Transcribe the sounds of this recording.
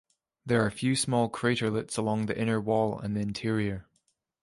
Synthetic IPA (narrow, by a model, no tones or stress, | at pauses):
ðə˞ːfjʉːsmɔlˠkʰɹ̥eʔə˞lˠɪtsəlˠɔ̃ŋðiʔɪ̃nə˞wɔlˠə̰̃nðiɪ̃ntʰiɹiə˞